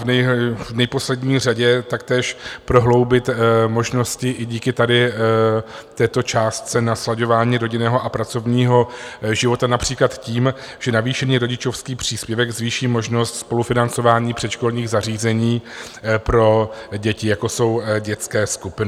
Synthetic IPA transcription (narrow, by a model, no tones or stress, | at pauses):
vnɛnɛjpo̞slɛdɲiːr̝aɟɛt̪ak̚t̪ɛːʃpɾo̞ɦlo̞wbɪt̪mo̞ʒno̞scɪʔɪɟiːkɪt̪adɪ | t̪ɛːt̪o̞t͡ʃaːst̪t͡sɛnaslaɟo̞vaːɲiːɾo̞ɟɪnɛːɦo̞ʔapɾat͡so̞vɲiːɦo̞ʒɪvo̞t̪anapr̝̥iːklat̪ciːm | ʒ̥ɛnaviːʃɛɲiːɾo̞ɟɪt͡ʃo̞fskiːpr̝̥iːspjɛvɛɡzviːʃiːmo̞ʒno̞st̪spo̞lufɪnant͡so̞vaːɲiːpr̥ɛt̪ʃko̞lɲiːɣzariːzɛɲiː | pɾo̞ɟɛcɪjako̞so̞wɟɛt̪t͡skɛːskupɪnɪ